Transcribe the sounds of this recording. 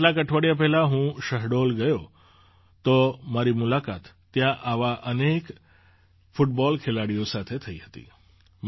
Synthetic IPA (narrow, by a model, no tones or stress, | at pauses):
lakəʈʰʋaɽijap̬ɛɦlaɦũʃəɦɽolɡəjo | t̪omaɾimʊlakat̪ːjãʔaʋaʔənek | fʊʈbɔlkʰelaɽijosat̪ʰet̪ʰəiɦət̪ḭ